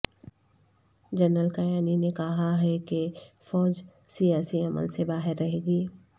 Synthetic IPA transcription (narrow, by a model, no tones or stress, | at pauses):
d͡ʒɐnɾəlkɐjaːninekɐɦaɦɛkefɔːd͡ʒsijaːsiɐmə̰lsebaːɦɪɾːɐɦeːɡiː